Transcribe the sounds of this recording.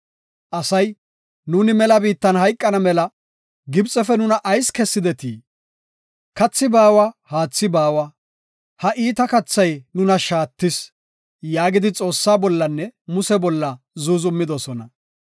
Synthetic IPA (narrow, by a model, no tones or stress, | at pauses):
ʔɐsɐj | nuːnɪmɛlɐbiːt̪ːɐnhɐjkʼːɐnɐmɛlɐ | ɡɪbt͡sʼɛfɛnʊnɐʔɐjskɛsːɪd̪ɛt̪ḭː | kɐt͡sːɪbaːwahaːt͡sːɪbaːwɐ | hɐʔiːt̪ɐkɐt͡sːɐjnʊnɐʃaːt̪ːɪs | jaːɡɪd̪ɪt͡sʼo̞ːsːaːbɔlːɐnːɛmʊsɛbɔlːɐ | zuzʊmːɪd̪ɔsɔnɐ